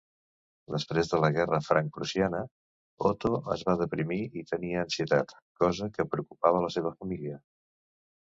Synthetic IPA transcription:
d̪əspɾezðələɣɛrəfɾaŋk̚pɾusianə | ɔt̪oə̰zβaðəpɾimiit̪əniəːnsiət̪at̪ | kɔzəkəpɾəukupaβ̞ələseβ̞əfəmiliə

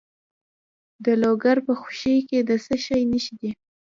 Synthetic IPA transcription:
d̪əloɡaɾpəxu̥ʃejked̪əsəʃajnəʃid̪i

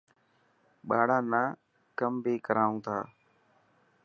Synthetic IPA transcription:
ɓaːɽãːnaː | kəmbʱiːkəɾaːũːt̪ʰaː

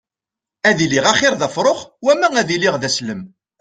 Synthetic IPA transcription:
æðiliʁæχɪɾðæfɾˤoχwæmææðiliʁðæsləm

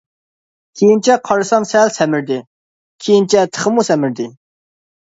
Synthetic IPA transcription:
kʲʰejint͡ʃʰɛqʰɑɾɨsɑmsɛlsɛmɪɾd̪ɪ | kʲʰejint͡ʃʰɛt̪ʰə̥χəmusɛmɪɾd̪ɪ

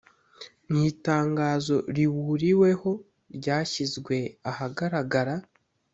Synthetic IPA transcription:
n̥iːtaːŋɡaːzo̞ɾiβuɾiwe̞ho̞ | ɾɟaːçizɡwe̞ahaɡaɾaɡaɾa

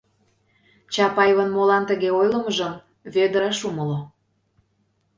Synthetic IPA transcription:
t͡ɕɑpɑjβənmolɑnt̪əɣeojlə̆məʒəm | βed̪əɾɑʃuməlo

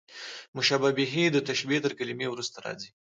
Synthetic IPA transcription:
mʊʃababiɦid̪ət̪aʃbit̪əɾkalimewɾust̪aɾɑ̰zi

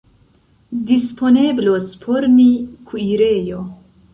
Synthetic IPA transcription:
dispʰoneblospʰoɾnikʰuiɾejo

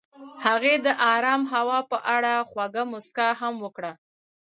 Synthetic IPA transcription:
haɣed̪əʔɑɾɑmɦawɑpəʔaɽaxwaɡamʊskaɦamwəkɽa

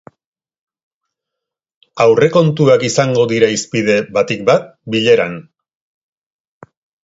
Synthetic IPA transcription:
awre̞ko̞nt̪uakisaŋɡo̞ðiɾaispiðe̞βat̪ik̚bat̪̚biʎe̞ɾan

